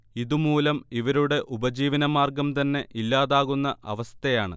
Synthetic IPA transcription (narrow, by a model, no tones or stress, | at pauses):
iðumuːlɐmiʋɐɾuɽe̞ʔubɐd͡ʑiːʋɐnɐmaːrɡɐmt̪ɐnːe̞ʔilːaːðaːɣunːɐʔɐʋɐst̪ɐjaːɳɨ̰